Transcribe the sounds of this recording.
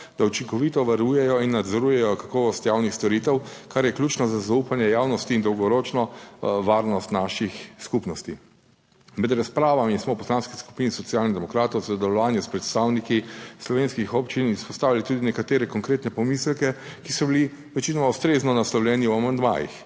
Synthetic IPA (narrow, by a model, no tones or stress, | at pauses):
d̪aut͡ʃiŋkɔʋit̪ɔʋaɾuːjɛjɔinːad̪zɔɾuːjɛjɔkakɔːʋɔst̪jawnixst̪ɔɾit̪ɛwkaɾjɛklʲuːt͡ʃnɔzazaupanjɛjaːwnɔst̪iːnd̪ɔwɡɔɾoːt͡ʃnɔʋaːɾnɔst̪naʃixskupnɔst̪i | mɛd̪ɾaspɾaːʋamismɔwpɔslanskisku̥pinisɔt̪sialnid̪ɛmɔkɾaːt̪ɔwsɔd̪ɛlɔʋaːnjuspɾɛt̪st̪awnikislɔʋeːnskixɔpt͡ʃinispɔst̪aːwʋialit̪ud̪inɛkat̪eːɾɛkɔŋkɾeːt̪nɛpɔmislkɛkisɔbili | ʋɛt͡ʃinɔmaust̪ɾeːznɔnaslɔwlɛːniwamand̪ma̰ːjḭx